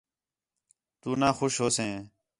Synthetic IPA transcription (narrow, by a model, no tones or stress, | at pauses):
t̪uːnãːxoʃɦoːsẽː